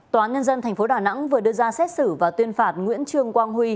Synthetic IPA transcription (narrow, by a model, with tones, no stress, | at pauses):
t̪waː˨˦nɲə˧nzə˧nt̪ʰjŋ̟fo˨˦ɗaː˨˩na̰˧˥ŋvɨ˨˩əɗɨ˧əzaː˧sɛ˦˥t̚sɨ˧˩vaː˨˩wt̪wi˧ənfaː˨˩t̚ŋwḭ˧˥ənt͡ɕɨ˧əŋkwaː˧ŋhwi˧